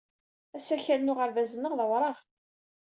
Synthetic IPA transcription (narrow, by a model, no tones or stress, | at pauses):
æsæçælnʊʁəɾvæzənəʁðəwɾˤɑʁ